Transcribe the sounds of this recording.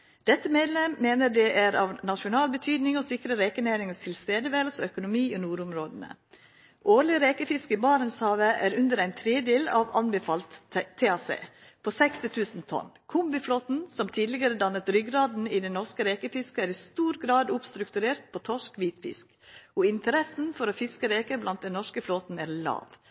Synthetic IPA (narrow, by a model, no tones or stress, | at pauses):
d̪̥ɛt̪ːəmeːd̪lɛmːeːnəɖɛʔæɾɑʋnɑʃʊnɑːlbət̪ʰyːd̪nɪŋɔsɪkɾəɾekənæːɾɪŋəst̪ʰɪlst̪eːd̪əʋæːləsɔœkʊnʊmiːɔnuːɾʊmɾoːd̪ənə̰ | ʔoːɾɭɪɾeːkəfɪskɪbɑːɾənshɑːʋəʔæɾʉnd̪əɾæɪnt̪ʰɾeːd̪eːlɑʋɑnbəfɑlt̪ʰːeːɑːsḛː | pʰoːsɛkst̪ɪt̪ʰʉːsnt̪ʰɔ̰nkʰʊmbɪfloːt̪n̩sɔmt̪ʰiːd̪lɪɡəɾəd̪ɑnːət̪ɾʏɡɾɑːd̪n̩ɪd̪ɛnnɔʂkəɾeːkəfɪskəæːɾɪst̪uːɾɡɾɑːd̪ʊpst̪ɾʉkt̪ʉɾeːɾt̪̚pʰoːt̪ʰɔʂkʋiːt̪fɪ̰sk | ɔɪnt̪əɾɛsn̩fɔɾofɪskəɾeːkəblɑnt̪̚d̪ɛnnɔʂkəfloːt̪n̩æːɾlɑ̰ːʋ